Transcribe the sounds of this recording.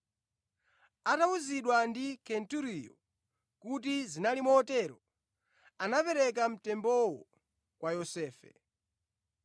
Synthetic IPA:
atauziɗwandikʰɛntuɾijɔ | kutizinalimɔːtɛɾɔ | anapɛɾɛk̬am̩tɛmbɔwɔ | kwajɔsɛːfɛ̰

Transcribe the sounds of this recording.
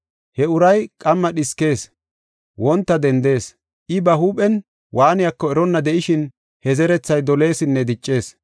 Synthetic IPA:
hɛʊɾɐjkʼɐmːɐɗɪske̞ːs | wɔnt̪ːɐd̪ɛnd̪e̞ːs | ʔɪbɐhuːpʼɛn | wʔaːnɪjɐkːɔɛɾɔnːɐd̪ɛʔɪʃɪn | hɛzɛɾɛt͡sːɐjd̪ɔle̞ːsɪnːɛd̪ɪt͡ʃʼːe̞ːs

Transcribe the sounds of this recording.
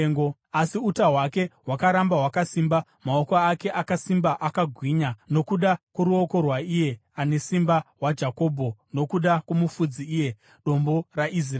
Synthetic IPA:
ŋɡoasiutaɦwake̞ɦwakaɾambaɦwakasiːmba | maokoake̞ʔakasimbaʔakaɡʱwiːɲano̞kuɗakwoɾuo̞ko̞rwaije̞ane̞simbaɦwad͡ʒako̞ːbʱo̞no̞kuɗakwomufud͡ziːje̞ | ɗo̞mbo̞raʔis̬r

